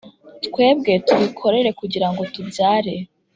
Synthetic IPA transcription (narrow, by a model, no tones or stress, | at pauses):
tkwe̞ːb̚ɡe̞tuβikʰo̞ɾe̞ɾe̞kuɟiɾaŋɡo̞tubjaːɾe̞